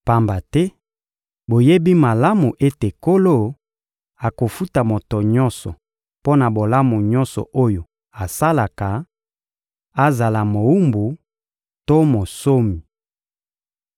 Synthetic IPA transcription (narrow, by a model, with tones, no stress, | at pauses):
pa˦mba˨tɛ˦ | bo˨je˦bi˦ma˨la˦mu˨ʔe˦te˨ko˦lo˦ | a˨ko˨fu˦ta˨mo˨to˨ɲɔ˦nsɔ˨ | po˦na˨bo˨la˦mu˨ɲɔ˦nsɔ̰˨ʔo˦jo˨ | a˨sa˦la˨ka˨ | a˦za˨la˨mo˨wu˦mbu˨ | to˦mo˨so˦mi˨